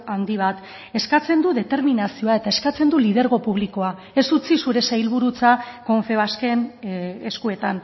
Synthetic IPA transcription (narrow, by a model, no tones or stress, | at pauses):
and̪iβ̞at̪ | e̞skat͡se̞nd̪uðe̞t̪e̞ɾminasio̞ae̞t̪ae̞skat͡se̞nd̪ulið̞eɾɣ̞o̞puβliko̞a | e̞sut͡sisuɾe̞sajlβ̞uɾut͡sako̞ɱfe̞βaske̞neskue̞t̪an